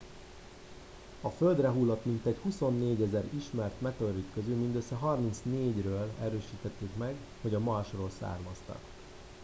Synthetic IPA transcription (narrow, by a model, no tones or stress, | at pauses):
ɒføld̪rɛɦuːlːot̪mint̪ɛchuso̞nːeːɟɛzɛɾiʃmɛrt̪mɛt̪ørikːøzylmind̪øsːɛɦɒrmint̪sneːɟrøːlɛɾøːʃiːt̪ɛt̪ːeːkmɛɡ | ho̞ɟɒmɒʃroːlsa̰ːrmɒst̪ɒ̰k